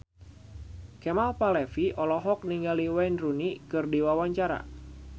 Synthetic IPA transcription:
kɛmalpalɛfiʔɔlɔɦɔk̚niŋɡaliwajnrunikɨrdiwawaɲt͡ʃaɾa̰

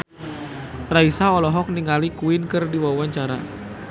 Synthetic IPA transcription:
raisaɔlɔɦɔk̚niŋalikuinkɨrdiwawaɲt͡ʃaɾa̰

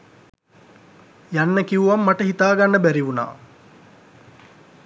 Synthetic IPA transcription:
janːəkiʋuʋamːaʈəɦit̪aːɡanːəbæɾiʋuna̰ː

